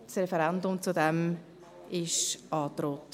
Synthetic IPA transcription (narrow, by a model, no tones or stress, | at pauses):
srɛfɛɾɛndʊmt͡sudɛm | ɪʃʔɑːt̪ɾoːt